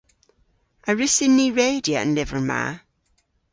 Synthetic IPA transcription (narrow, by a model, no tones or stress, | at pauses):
ʔəɹɪsɪ̃nːiːɹeɪdiəə̰̃nlɪvəɹma̰ː